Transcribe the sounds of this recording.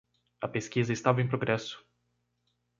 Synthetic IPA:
ɐpeskizɐɪst̪avɐẽj̃pɾoɡɾɛsʊ̥

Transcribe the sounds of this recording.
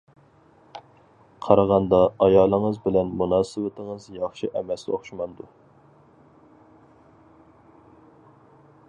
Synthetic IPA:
qʰɑɾɑʁɑnd̪ɑɑjɑːlˠəŋəzbɪlɛnmunɑːsɨwɪt̪ʰəŋəzjɑχʃiʔɛmɛsloχʃmɑnd̪u

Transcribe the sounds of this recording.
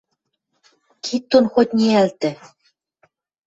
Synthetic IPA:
kʰit̪ːonxot̪ʲnʲiælt̪ɘ̆

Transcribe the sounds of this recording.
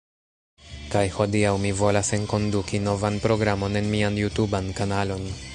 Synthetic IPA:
kajho̞diawmivo̞lase̞nko̞ndukino̞vanpɾo̞ɡɾamo̞ne̞nmianjutubankanalo̞n

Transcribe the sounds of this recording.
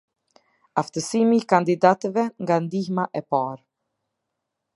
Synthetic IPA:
aft̪əsimiːkand̪id̪at̪əvɛŋɡand̪ihmaʔɛpaɾ

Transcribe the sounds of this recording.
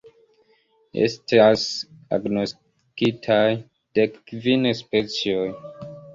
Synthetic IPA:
e̞̰stasa̰ɡnost | kitʰaj | d̥ekːvinspet͡sioj

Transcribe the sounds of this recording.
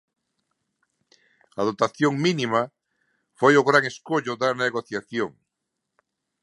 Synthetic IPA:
að̞ot̪aθjoŋminima | fojʊɣɾaŋeskoʎʊðaneɣoθjaθjoŋ

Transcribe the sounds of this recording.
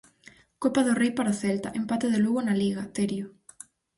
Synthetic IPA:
kopaðorejpaɾaθelt̪aʔempat̪eðeluɣonaliɣat̪eɾjo

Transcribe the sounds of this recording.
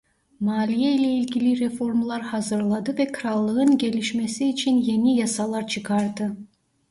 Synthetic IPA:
maːlʲijeilʲɛilʲɡʲilʲiɾe̞fo̞ɾmlˠɑɾhɑzɯɾlˠɑd̪ɯvɛkʰɯɾɑlˠːɯɯnɟʲe̞lʲiʃmesiːt͡ʃʰinje̞nijɑsɑlˠɑɾt͡ʃʰɯkʰɑɾd̪ɯ

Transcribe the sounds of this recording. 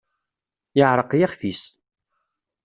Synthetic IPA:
jəʕɾˤəqjaχθis

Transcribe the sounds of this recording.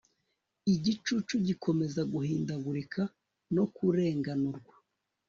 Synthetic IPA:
iɟit͡ʃut͡ʃuɟikʰo̞me̞zaɡuhiːndaɡuɾikʰa | no̞kuɾe̞ːŋɡanuɾɡwa

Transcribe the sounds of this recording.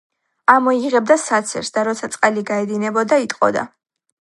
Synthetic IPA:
amɔiʁɛb̚d̪asat̪sʰɛ̰ɾsd̪aɾɔt̪sʰat̪sʼqʼɛliɡaɛd̪inɛbɔd̪ait̪ʼqʼɔ̰d̪a̰

